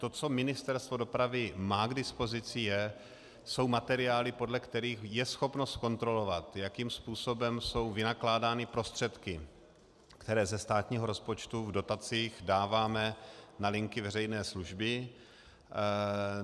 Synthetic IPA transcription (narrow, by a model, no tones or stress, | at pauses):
t̪o̞t͡so̞mɪnɪst̪ɛɾst̪vodo̞pɾavɪmaːɡdɪspo̞zɪt͡sɪjɛ | so̞wmat̪ɛɾɪaːlɪpo̞dlɛkt̪ɛɾiːxjɛsxo̞pno̞st̪kont̪ɾo̞lo̞vat̪jakiːmspuːso̞bɛmso̞wvɪnaklaːdaːnɪpɾo̞st̪r̝̥ɛt̪kɪ | kt̪ɛɾɛːzɛst̪aːt̪ɲiːɦoɾo̞spo̞t͡ʃt̪uvdo̞t̪at͡siːxdaːvaːmɛnalɪŋkɪvɛrɛjnɛːsluʒbɪ